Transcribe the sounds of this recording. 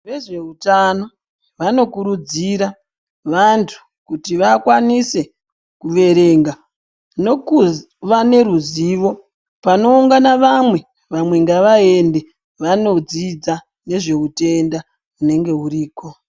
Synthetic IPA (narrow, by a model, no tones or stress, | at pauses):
ʋe̞ʐe̞utano̞ | ʋano̞kuɾud͡ziɾa | ʋantʰu̥ | kutiʋakwanise̞ | kuʋe̞ɾe̞ːŋɡa | noku | ʋane̞ɾuziʋo̞ | pano̞uŋɡanaʋamwe̞ | ʋamwe̞ŋɡaʋae̞nde̞ | ʋano̞d͡zid͡za | ne̞ʐe̞ute̞nda | une̞ŋɡe̞uriːko̞